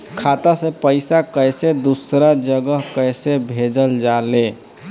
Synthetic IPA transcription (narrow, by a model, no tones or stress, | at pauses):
kʰat̪asẽpəɪsakəjsed̪usɾad͡ʒəɡəɦkəjsebʱed͡ʒəld͡ʒale